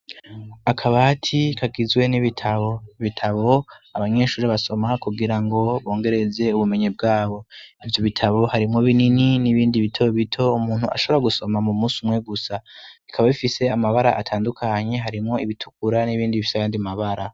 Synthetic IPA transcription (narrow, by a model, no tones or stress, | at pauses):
akʰaβatʰikʰaɡizwe̞niβitʰaβo̞βitʰaβo̞aβaɲe̞ʃuːɾiβaso̞makuɡiɾaŋɡo̞βo̞ːŋɡe̞ɾe̞ze̞uβume̞ɲeb̚ɡaːβo̞ivjo̞βitʰaβo̞haɾimŋoβinininiβiːndiβitʰo̞βitʰo̞umuːn̥huʔa̰ʃo̞βoɾaɡuso̞mamumuːsumŋe̞ɡusaikʰaβaβifise̞amaβaɾa̰ʔatʰaːndukʰaɲe̞ɦaɾimŋo̞iβitʰu̥k̚uɾaniβiːndiβifi̥sajaːndiamaβaɾa